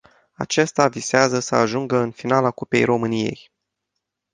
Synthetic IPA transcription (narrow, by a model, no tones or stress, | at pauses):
a̰t͡ʃe̞st̪aviseazəsəaʒuŋɡəɨnfinalakupe̞̰jro̞mɨnije̞̰j